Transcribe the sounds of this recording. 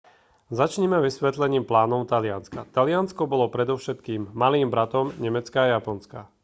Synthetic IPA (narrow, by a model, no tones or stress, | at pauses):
zat͡ʃɲɛmɛʋisʋɛt̪lɛɲiːmplaːnɔʊt̪alɪanskat̪alɪanskɔbɔlɔpɾɛd̪ɔʊʃɛt̪kiːmːaliːmbɾat̪ɔmɲɛmɛt͡skaːjapɔnska